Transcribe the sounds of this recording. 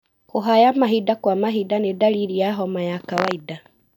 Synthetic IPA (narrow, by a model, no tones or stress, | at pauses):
koɦajamaɦidakwamaɦidanedaɾiɾiaɦɔmajakawaida